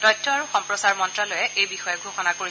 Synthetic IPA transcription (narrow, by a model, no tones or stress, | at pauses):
tɔjtʰːɔaɹuxɔmpɹɔsaɹmɔntɹalɔjɛʔejbixɔjɔɡʱoxɔnakoɹi